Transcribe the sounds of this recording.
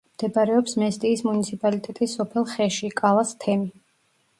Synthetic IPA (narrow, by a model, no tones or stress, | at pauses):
md̪̥ɛpʼaɾɛɔpsmɛst̪ʼiːsmunit̪sʰipʼalit̪ʼɛt̪ʼisːɔpʰɛlˠχɛʃikʼalˠast̪ʰɛmi